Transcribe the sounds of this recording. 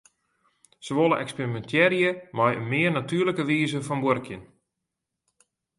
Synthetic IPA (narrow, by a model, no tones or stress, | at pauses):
səʋolˠəʔɛksperimɛntʰjɛɾjəmajə̰nmɪːərnatyːələkəʋiːzəfɔnborkjən